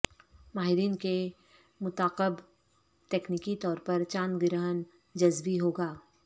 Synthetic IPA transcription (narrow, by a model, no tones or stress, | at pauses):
maːɦɪɾiːnke | mʊt̪aːqəb | t̪eːknikit̪ɔːɾpɐɾt͡ʃaːnɡɪɾaːɦən | d͡ʒɐzbiɦoːɡaː